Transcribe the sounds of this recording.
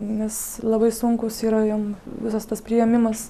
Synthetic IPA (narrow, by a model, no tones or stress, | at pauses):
nʲɛslˠɐbɐɪsʊŋkʊsiːɾɐjomʋʲɪsɐst̪ɐspʲɾʲɪjɛmʲɪmɐs